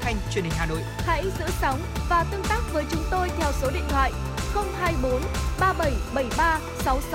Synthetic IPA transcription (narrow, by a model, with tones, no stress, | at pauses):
xa˧jŋ̟t͡ɕwənhi˨˩ŋ̟haː˨˩no̰˧˨jha̰˧˥jzɨ̰˧˥sa˨˦wŋ͡mvaː˨˩t̪ɨ˧əŋt̪aː˦˥k̚vəː˨˦jt͡ɕʊ˨˦ŋ͡mt̪o˧jt̪ʰɛ˧˩wso˨˦ɗḭ˧˨ŋt̪ʰwa̰ː˧˨j | xə˧wŋ͡mɦaː˧jɓo˨˦nɓaː˧ɓə˧˩jɓə˧˩jɓaː˧ | sa˨˦ws